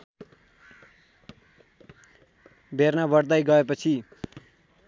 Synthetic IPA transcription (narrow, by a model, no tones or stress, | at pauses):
bʱernabʌɽd̪ajɡʌepʌt͡sʰi